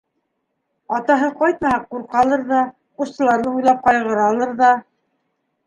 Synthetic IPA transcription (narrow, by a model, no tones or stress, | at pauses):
ɑt̪ɑɦɤqɑjt̪mɑhɑqːuɾqɑlˠɤɾðɑ | qust̪ɤ̆lˠɑɾnɤujlˠɑp̚qɑjʁɤ̆ɾɑlˠɤɾðɑ